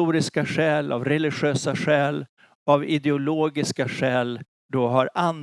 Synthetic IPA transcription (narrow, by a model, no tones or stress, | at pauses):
uːɾɪskaɧɛːla̰vɾɛlɪɧøːsaɧɛːl | avɪd̪ɛʊloːɡɪskaɧɛːl | d̪ɔːɦaɾʔan